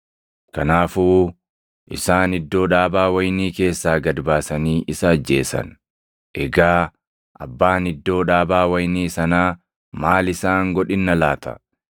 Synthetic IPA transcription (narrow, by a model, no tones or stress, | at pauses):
kɐnaːfuː | ʔɪ̰saːnɪd̪ːo̞ːᶑaːbaːwɐjniːke̞ːsːaːɡɐd̪baːsɐniːʔɪsɐːd͡ʒːe̞ːsɐ̰n | ʔɛɡaː | ʔɐ̰bːaːnɪd̪ːo̞ːᶑaːbaːwɐjniːsɐnaː | maːlɪsaːŋɡɔᶑɪnːɐlaːt̪ɐ̰